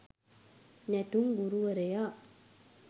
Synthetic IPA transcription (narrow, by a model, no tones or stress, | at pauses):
nɛʈumɡuɾuʋɐɾeja